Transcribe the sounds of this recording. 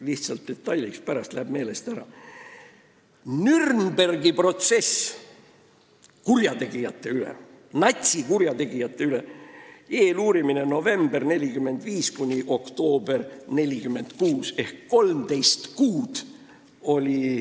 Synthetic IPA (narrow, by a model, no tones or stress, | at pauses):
liht̪sɑlt̪̚d̪̥e̞t̪ːˑɑjlikspæɾɑst̪læeb̥me̞ːle̞st̪æɾɑ | nyrnb̥e̞rɡipro̞t̪se̞s | kurjɑt̪e̞ɡ̥ijɑt̪ːe̞ylḛ | nɑt̪ʲsikuɾjɑt̪e̞ɡ̥ijɑt̪ˑːe̞yle̞ | e̞ːluːɾimine̞no̞ve̞mb̥erne̞lʲikymːe̞nd̪viːskunʲiʔo̞kt̪o̞ːbe̞rne̞lʲikymːe̞nd̪̥kuːse̞hkːo̞lmt̪e̞jst̪kuːd̪̥ | o̞lʲi